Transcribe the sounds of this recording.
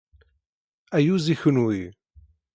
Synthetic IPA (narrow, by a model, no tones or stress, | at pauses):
æjuziçənwi